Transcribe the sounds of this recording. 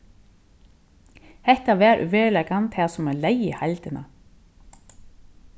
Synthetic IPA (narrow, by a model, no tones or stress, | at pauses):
hɛht̪avɛːɾʔʏ̰vɛːɾlɛkant̪ʰhɛːsɔmɛlejɪhajlt̪ɪnʔa̰